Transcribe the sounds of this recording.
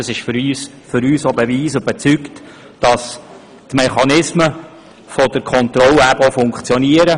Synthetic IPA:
əsɪʃfɾyːs | fʏɾyːsobəviːsøbət͡sykt | d̥ɑs | tmɛχɑnɪsmə | fɔd̥əɾkʰɔnt̪ɾɔlæbofʊŋkt͡sjɔniəɾə

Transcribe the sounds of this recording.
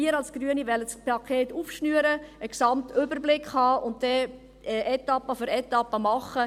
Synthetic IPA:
iəɾɑlsɡ̥ɾyːənivɛləspʰɑkʰeːtuːfʃnyəɾəəksɑmtʏbəɾblɪkχhɑːʔʊntdɛ | ʔɛt̪ːɑpːəføɾɛtːɑpːəmɑχːə

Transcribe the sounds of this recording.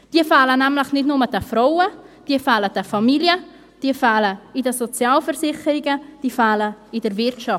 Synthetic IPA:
d̥iəfaːlənæmləχnɪtnʊməd̥ɛfɾowəd̥iəfaːləd̥ɛfɑmiljə | d̥iəfaːləidəsot͡sjaːlfəɾsɪχəɾɪɡəd̥iːəfaːləidəɾvɪɾʃɑft

